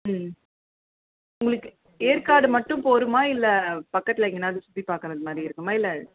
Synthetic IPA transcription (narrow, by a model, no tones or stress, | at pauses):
m | ʊŋɡɐɭɯkːɯ | eːɾkaːɽɯmɐʈːɯ̃poːɾɯmaːɪlːɐpɐkːɐt̪ːɪlɐŋɡɐnːaːɐðɯsʊt̪ːipaːɾkɐnɐ̃ðɐmaːd̪ɾiɪɾɯkːɯmaːɪlːɐ